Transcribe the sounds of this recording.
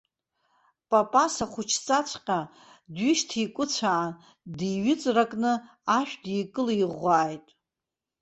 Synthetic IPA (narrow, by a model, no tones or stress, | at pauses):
pʼapʼasaχʷʊt͡ʃʰt͡sʼat͡sʷʰqʲʼa | dɥiʃtʰikʷʼʊt͡sʷʰaː | diɥɪt͡sʼrakʼnɨ | aʃᶣdijkʼɨliʁʷaːjtʼ